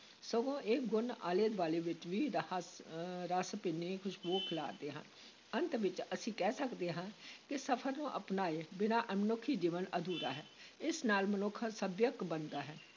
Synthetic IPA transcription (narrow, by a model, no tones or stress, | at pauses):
soːɡõːʔeːɡʊna̰ːleːd̪ʋaːleːʋɪt͡ʃʋiːɾsɾəspɪːneːkʰʊʃboːkʰla̰ːd̪eːɦə̰n | ənt̪ʋɪt͡ʃəsĩːkɛːsəkd̪eːɦãːkɪsəpʰəɾnũːʔəpnaːeːbɪnaːʔmənʊkʰːiːd͡ʒiːʋənəd̪uːɾa̰ːɦɛːɪsnaːlmənʊkʰːsəbjəkbənd̪aːɦɛː